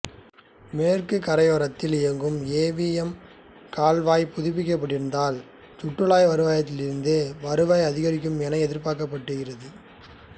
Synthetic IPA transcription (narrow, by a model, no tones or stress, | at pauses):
meːrkɯkɐɾɐɪoːɾɐt̪ːɪlɪjɐŋɡɯmeːʋijɐm | kaːlʋaːjpʊðɪp̬ːɪk̬ːɐp̬ːɐʈːɪɾɯnd̪aːl | t̪ʊʈːɯɭaːjʋɐɾɯʋaːjɐt̪ːɪlɪɾɯnd̪ɯʋɐɾɯʋajɐðɪɣɐɾɪkːɯmɛnɐɪɛðɪɾpaːkɐp̬ːɐʈːɯɣɪrɐðɯ